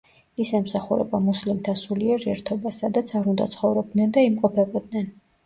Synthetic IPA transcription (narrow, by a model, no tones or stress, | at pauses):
isɛmsaχuɾɛ̰bamuslimt̪ʰansuliɛɾiɛɾt̪ʰɔbasad̪at̪sʰaɾund̪a̰t̪sʰχɔvɾɔb̚d̪nɛnd̪aimqʼɔpʰɛbɔd̪̚nɛn